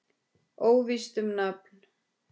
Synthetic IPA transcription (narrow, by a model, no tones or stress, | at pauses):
oːwvist̪ʏmnapn